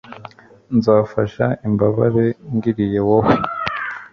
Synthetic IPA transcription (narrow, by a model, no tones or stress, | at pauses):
nzaːfaʃaimbaβaɾe̞ŋɡiɾije̞waho